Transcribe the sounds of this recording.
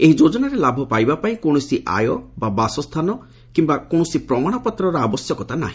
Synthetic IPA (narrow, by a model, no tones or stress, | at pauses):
eɦid͡ʒod͡ʒɔnaɾelabʱɔpajbapaĩkoɽ̃ɔsiʔa̰jɔbabasɔst̪ʰanɔ | kimbakoɽ̃ɔsipɾɔmaɽ̃ɔpɔt̪ɾɔɾɔabɔsjɔkɔt̪ana̰ɦĩ